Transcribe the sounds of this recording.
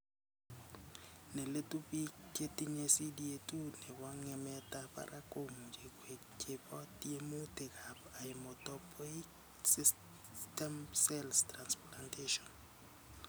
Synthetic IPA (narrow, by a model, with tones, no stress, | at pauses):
nɛ˨le˦tu˦pi˦kːe˦ti˦ɲesi˦di˦e˦tu˦nɛ˨bwa˦ŋɛ˦mɛtapa̰˦ɾʔa˦kʼo˦m˨d͡ʒe˨kwe˨ | t͡ʃe˦pɔ˦tie˦mu˦te˨kʰa˨pa˨ɪmɔ˨tɔpʰɔ˦i˦k | sis | tɛ˦msɛlstransplantʰeʃɔ˨n